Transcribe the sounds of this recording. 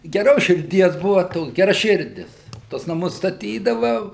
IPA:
ɡʲɛˈroːs ʃʲɪrʲˈdʲiɛs ˈbʊʋɐ ˈtoːks ɡʲɛrɐˈʃʲɪrʲdʲɪs ˈtuɔs nɐˈmʊs stɐˈtʲiːdɐʋɐ

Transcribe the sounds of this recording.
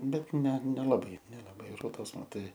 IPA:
ˈbʲɛt ˈnʲɛ nʲɛlˠɐˈbɐɪ nʲɛlˠɐˈbɐɪ ˈroːdoːs mɐˈtɐɪ

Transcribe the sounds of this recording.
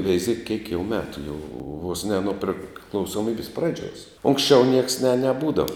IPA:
ʋʲɛɪˈzʲiɛk kʲiɛk jɛʊ ˈmʲæːtʊ jɛʊ ʋoːs nʲɛ nʊ pʲrʲɪklˠɐʊsoːˈmʲiːbʲɪs ˈprɑːd͡ʒʲuɔs ˈʊŋksʲt͡ʃʲɛʊ nʲiɛks nʲɛ nʲɛˈbuːdɐʋɐ

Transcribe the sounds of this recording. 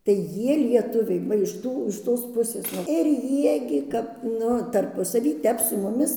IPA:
tɐɪ ˈjiɛ lʲiɛˈtʊʋʲɛɪ ˈʋɐ ɪʃ ˈtuː ɪʃ ˈtoːs ˈpʊsʲeːs nuɔ ɪr ˈjiɛ ɡʲɪ ˈkɐp ˈnʊ tɐrˈpʊsɐʋʲiː ˈtʲɛp sʊ mʊˈmʲɪs

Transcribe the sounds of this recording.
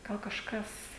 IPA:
ˈɡɐlˠ kɐʃˈkɐs

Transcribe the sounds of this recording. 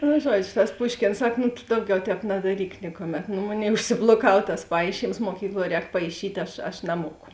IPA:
nʊ ˈʒuɔd͡ʒʲoː tɐs ˈpʊʃʲkʲeːns ˈsɐk nʊ tʊ ˈdɐʊˌɡʲɛʊ ˈtʲɛːp nɐdɐˈrʲiːk ˈnʲɪkʊˌmʲɛt noː ˈmoːˌnʲeːɪ ʊʃʲsʲɪblˠoːˈkɐw tɐs ˈpɐɪʃʲiːms muɔˈkʲiːklˠuɔ ˈrʲɛːk pɐɪˈʃʲiːtʲ ˈɐʃ ɐʃ nɐˈmuɔkʊ

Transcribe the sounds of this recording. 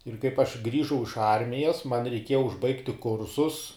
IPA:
ɪr kɐɪp ɐʃ ˈɡrʲiːʒɐʊ ɪʃ ˈɐrʲmʲɪjɛs mɐn rʲɛɪˈkʲiɛjɛ ʊʒˈbɐɪktʲɪ ˈkʊrsʊs

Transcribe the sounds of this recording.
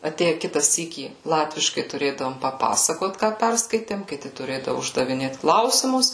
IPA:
ɐˈtʲeːjɛ ˈkʲɪtɐ ˈsʲiːkʲiː ˈlˠɑːtʲʋʲɪʃkɐɪ tʊˈrʲeːdɐʋoːm pɐˈpɑːsɐkoːt ˈkɑː ˈpʲɛrskɐɪtʲeːm kʲɪˈtʲɪ tʊˈrʲeːdɐʋʊ ʊʒdɐʋʲɪˈnʲeːt ˈklˠɐʊsʲɪmʊs

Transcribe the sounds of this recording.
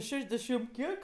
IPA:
ˈʃʲæːʒʲdʲɛʃʲɪm ˈkʲiɛk

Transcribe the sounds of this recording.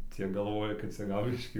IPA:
ˈt͡sʲiɛ ɡɐlˠˈʋoːjɛ kɐt ˈt͡sʲɛ ˈɡɐlˠ ˈbʲɪʃʲkʲiː

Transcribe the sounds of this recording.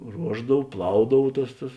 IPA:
ˈruɔʒdɐw ˈplˠɐʊdɐw ˈtɐs tɐs

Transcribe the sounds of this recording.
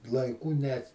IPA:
lˠɐɪˈkuː nʲɛt

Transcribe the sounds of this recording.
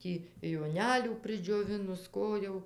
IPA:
ˈtʲiː joːˈnʲæːlʲuː pʲrʲɪd͡ʒʲoːˈʋʲɪnʊs ˈkoː jɛʊ

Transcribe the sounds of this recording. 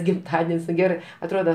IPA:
ɡʲɪmˈtɑːdʲɛnʲsʲ nʊ ˈɡʲæːrɜ ɐtˈroːdɐ

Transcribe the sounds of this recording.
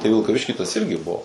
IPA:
tɐɪ ʋʲɪlˠkɐˈʋʲɪʃʲkʲiː tɐs ˈɪrʲɡʲɪ ˈbuɔ

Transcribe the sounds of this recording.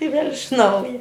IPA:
ɪ ʋʲeːlʲ ɪʃ ˈnɐʊjɛ

